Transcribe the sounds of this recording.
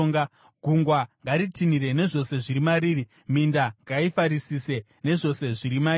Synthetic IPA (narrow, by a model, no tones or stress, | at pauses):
ŋa | ɡʱuŋɡwaŋɡaɾitiniɾe̞ne̞ʐo̞se̞ʐiɾimaɾiːri | mindaŋɡaifaɾisise̞ | ne̞ʐo̞se̞ʐiɾima